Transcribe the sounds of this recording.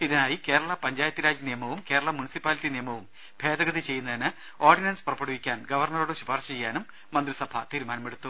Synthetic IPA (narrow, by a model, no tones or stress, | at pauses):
iðɐnaːjike̞ːɾɐɭɐpɐɲd͡ʑaːjɐt̪ːjiɾaːd͡ʑɐnijɐmɐʋumke̞ːɾɐɭɐmunisipːaːlitːinijɐmɐʋum | bʱe̞ːd̪ɐɡɐd̪it͡ɕe̞jːunːɐðinɨ | o̞ːrɖinɐnspurɐpːɐɽuʋikʲːaːnɡɐʋɐrɳɐruɽeɕubʱaːrɕɐt͡ɕejːaːnumː | ɐnd̪risɐbʱɐ̰t̪iːɾumaːnɐmeɽut̪ːu